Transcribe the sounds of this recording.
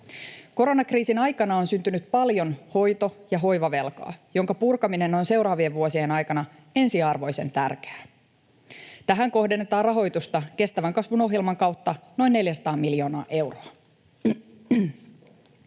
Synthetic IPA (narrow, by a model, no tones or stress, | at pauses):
ko̞ɾo̞nɑkriːsinɑjkɑnɑo̞nsynt̪ynyt̪pɑljo̞nho̞jt̪o̞jɑɦo̞jʋɑʋe̞lkɑ̰ːjo̞ŋkɑpurkɑmine̞nːo̞jnse̞wɾɑːʋieʋʋuosienɑjkɑnɑ | e̞nsiɑrʋo̞jse̞̰nt̪ærke̥ː | t̪æɦæŋko̞hde̞nːet̪ɑːrɑɦo̞jt̪ust̪ɑke̞st̪æʋæŋkɑsʋuno̞ɦjelmɑŋkɑwt̪ːɑno̞jnːe̞ljæsɑ̥t̪ɑːmːiljo̞ːnɑːʔe̞wroɑ